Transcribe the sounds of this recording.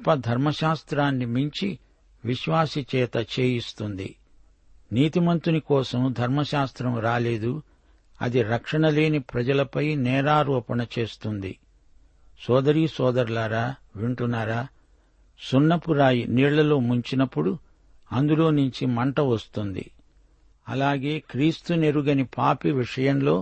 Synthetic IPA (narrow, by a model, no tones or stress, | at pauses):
pːɐd̪ʱɐɾmɐʃaːst̪ɾaːnːimiɲt͡ʃi | ʋiʃʋaːsit͡ʃɛːt̪ɐt͡ʃe̞ːjist̪und̪ḭ | niːt̪imɐnt̪unikɔːsɐmd̪ʱɐɾmɐʃaːst̪ɾɐmɾaːle̞ːd̪u | ɐ̰d̪iɾɐkʂɐɳɐle̞ːnipɾɐd͡ʒɐlɐpɐjnɛːɾaːɾuːpɐɳɐt͡ʃe̞ːst̪und̪ḭ | sɔːd̪ɐɾiːsɔːd̪ɐɾlaːɾaː | ʋiɳʈunːaːɾaː | sunːɐpuɾaːjiniːɭɐlo̞ːmuɲt͡ʃinɐpːuɽu | ɐnd̪ulo̞ːnuɲt͡ʃimɐɳʈɐʋɐst̪und̪ḭ | ɐ̰laːɡe̞ːkɾiːst̪une̞ɾuɡɐnipaːpiʋiʂɐjɐmlo̞ː